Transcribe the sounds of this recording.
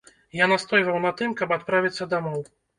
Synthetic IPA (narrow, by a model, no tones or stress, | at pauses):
janast̪ɔjvɐwnɐt̪ɨmkɐbat̪̚pɾavʲit̪sːɐd̪amɔw